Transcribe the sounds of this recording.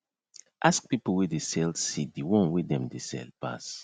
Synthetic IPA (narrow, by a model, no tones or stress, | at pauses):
ʔask̚pipl̩wedesɛlsidiwɔ̃nwedɛ̃mdesɛ̰lpa̰s